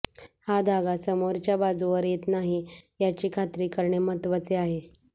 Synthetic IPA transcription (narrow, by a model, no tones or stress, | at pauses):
had̪ʱaɡasəmoɾt͡ɕjabad͡zuʋəɾjet̪naɦijat͡ɕiːkʰat̪ɾiːkəɾɳemət̪ʋət͡seaɦe